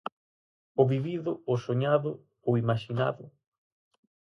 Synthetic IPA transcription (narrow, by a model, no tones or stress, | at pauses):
ʊβiβiðʊosoɲaðʊ | oimaʃina̰ðʊ